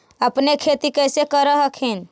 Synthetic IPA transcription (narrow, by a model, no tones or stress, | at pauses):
əpnekʰet̪ikəjsekəɾəɦəkʰin